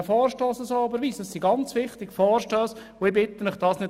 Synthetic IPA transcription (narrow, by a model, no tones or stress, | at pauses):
fɔːɾʃtoːsɑsoːɑbəɾʋiːsdɑssiɡɑnt͡sʋɪχt̪ɪɡ̥fɔːɾʃtøːs | oɪbɪt̪ːəmɪχd̥ɑːsnɪ